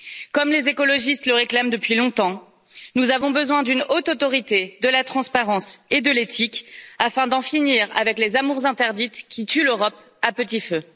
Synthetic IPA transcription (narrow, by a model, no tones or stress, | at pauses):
kɔmlezekɔlɔʒist̪ləʁeklamd̪əpɥilɔ̃t̪ɑ̃ | nuzavɔ̃bəzwɛ̃d̪ynot̪ot̪ɔʁit̪ed̪əlat̪χɑ̃spaʁɑ̃sed̪əlet̪ʰikafɛ̃d̪ɑ̃finiʁa̰vɛklezamuʁzɛ̃t̪ɛʁd̪it̪kʲʰit̪yløʁɔp̚ | apət̪ifø